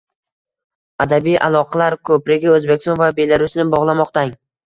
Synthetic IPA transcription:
ad̪abijʔa̰lˠɒqʰɑlaɾkʰɵpɾɪɡʲɪɵzbekʲɪst̪ɒnvabe̞laɾʊsnɪbɒʁlˠamɒqt̪aŋ

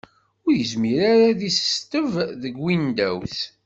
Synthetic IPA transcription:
ʊɾjəzmiɾaɾaðisst̪əvðəɡwind̪æ̰wθ

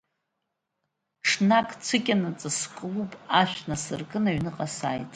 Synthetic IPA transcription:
ʈ͡ʂʰnakʰʼt͡sʷʰɨkʲʼanat͡sʼɨskʼlupʼaʃʷᶣnasɨrɡʼɨnaɥnɨqʼasaːjtʼ

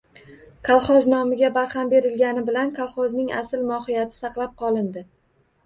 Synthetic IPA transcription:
kʰalˠχɒznɒmɪɡʲabaɾhambe̞ɾɪlɡʲanɪbɪlankʰalˠχɒznɪŋʔa̰sɪlmɒhɪjat̪ʰɪ̥sɑqlˠap̚qʰɒlˠɪnd̪ɪ

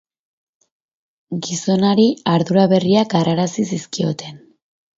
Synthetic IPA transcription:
ɡiso̞naɾiaɾðuɾaβe̞riak̚ɡaraɾasisiskio̞t̪e̞n

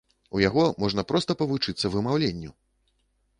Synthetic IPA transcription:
ujaɣɔmɔʐnɐpɾɔst̪ɐpɐvut͡ʂɨt̪sːɐvɨmawlʲenʲːṵ

